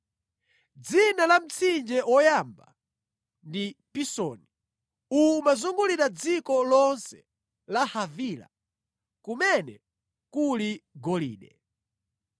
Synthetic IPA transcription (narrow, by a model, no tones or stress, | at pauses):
d͡zinalam̩t͡sʰind͡ʒɛʔwɔjamba̰ | ndipisɔ̰ni | umazuŋɡuliɾad͡zikɔlɔnsɛ̥ | lahavila̰ | kumɛnɛ | kuliɡɔlḭːɗɛ̰